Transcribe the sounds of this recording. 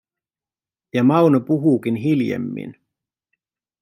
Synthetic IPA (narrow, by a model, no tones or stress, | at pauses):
jɑmɑwnopuɦukinɦiljḛmːḭn